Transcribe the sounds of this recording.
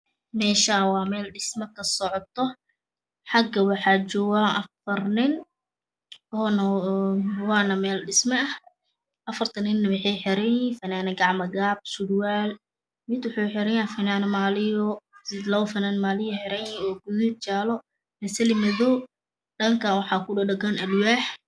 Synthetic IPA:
mɛːʃaːwɑːmɛːlɖɪsmɐkʰɐsɔʕɔt̪ʰɔ | ħɑɡɐwɑħɑːt͡ʃɔːɣaʔɐfɐrnɪn | ɔːn | wɑːnɐmɛːlɖɪsmɐɐh | ʔɐfɐrt̪ʰɐnɪnːɐwɪħɛjħɪɾɛjifɐnaːnɐɡɑʕmɐɡaːb̥̚sʊdwaːl | mɪd̪wʊħɔħɪɾɐjjaːfɐnaːnmaːlɪjɔsɪd̪lɐwfɐnanmaːlɪjɐħɪɾɛjɔːɡʊjut͡ʃaːlɔ | mɐsɐlɪmɐðɔː | ɖɐŋkʰanwɑħɑːkʰʊɖɐɖɐɡɐnʔɐlwaːħ

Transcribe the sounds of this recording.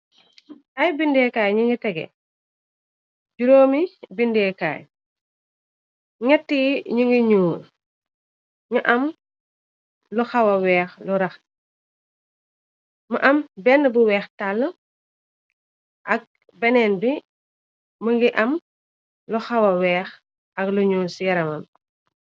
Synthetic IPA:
ʔɐjbindɛkaːjɲuŋɡitɛɡɛ̰ | ɟuɾoːmibindɛːka̰ːj | ŋɛtːiɲuŋɡiɲuːl | ɲuʔɐm | lɔxɐwɐwɛːxluɾɐx | mɐʔɐmbɛnːəbuwɛːxtalːə | ʔɐk̚ | bɛnɛnbi | məŋɡiʔɐm | lɔxɐwɐwɛːx | ɐkluɲuːnsjɐɾɐmɐm

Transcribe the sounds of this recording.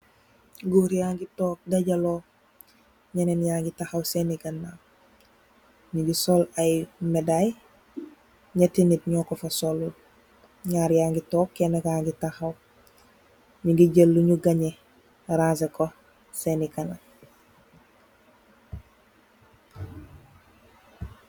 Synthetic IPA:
ɡuɾijaːŋɡitoːk̚dɐɟɐloː | ɲɐnenjaːŋɡitaxɐwsenikɐnːa | ɲiŋɡisolajmedaj | ɲɐtinit̚ɲɔːkofɐsolu | ɲaːɾjaːŋɡitoːkːenaɡaːŋɡitaxɐw | ɲiŋɡiɟəlːuɲuɡɐɲe | ɾaːseko | senikana

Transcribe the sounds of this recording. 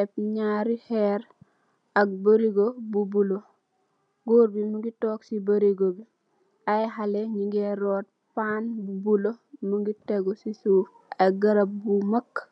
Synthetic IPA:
ɛp̚ɲaːɾihɛɾ | ɐk̚bəɾiɡobubulo | ɡoːɾbimuɡitɔːksibəɾiɡobi | ajɦaleɲiɡeɾoːt̚ | paːnbubulomuɡiteɡosisuf | ɐɡɐɾap̚bumakː

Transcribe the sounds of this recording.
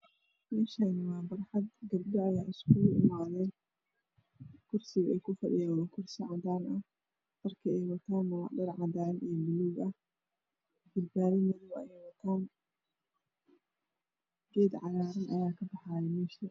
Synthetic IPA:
mɛːʃɐnɐwɑːbɐrħɐd̪ɡɐb̚dɔɐjaːɪskʰʊʊɪmaːðɛːn | kʰʊrsɪɣɐɛjkʰʊfɐɖɪjaːɐkʰʊrsɪʕɑd̪aːnʔɐh | t̪ɐrkʰɐɛjwɐt̪ʰaːnmʊlɑ̰ʕɖɐrʕɑd̪aːnʔɛjmɪnuɡʔɐ | bɪlbaːɾɪnɐðɔbɐ̰ɛjwɐt̪ʰaːn | ɡɛːd̪ʕɑlaːɾɐnʔɐjaːkʰɐbɐħaːjɛmɛːʃɐ

